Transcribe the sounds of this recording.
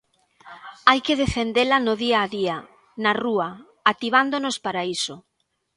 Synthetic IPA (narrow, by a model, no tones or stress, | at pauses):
ajkeðefend̪elɐnʊðiaːðia | naruɐ | at̪iβ̞and̪onospaɾaiso